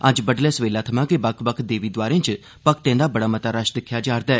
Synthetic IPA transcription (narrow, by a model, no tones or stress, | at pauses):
ɐd͡ʒbəɖlɛːsʋeːlaːt̪ʰɐmãːkebɐkʰbəkʰd̪eːʋiːd̪ʋaːɾẽɪ̃t͡ʃ | pɐkʰt̪ẽːnd̪aːbɐɽaːmɐt̪aɾəʃd̪ɪkʰːjad͡ʒaːɾd̪aɛː